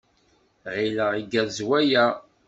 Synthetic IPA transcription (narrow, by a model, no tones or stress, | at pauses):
ʁiləʁiɡæzwæjæ